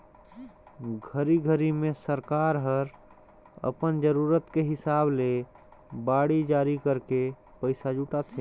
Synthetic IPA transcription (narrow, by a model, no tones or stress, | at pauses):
ɡʱəɾiɡʱəɾimẽsəɾkaːɾɦəɾ | ə̰pənd͡ʒəɾuːɾət̪keɦɪsaːble | baːɽid͡ʒaːɾikəɾke | pəɪsad͡ʒuʈat̪ʰẽ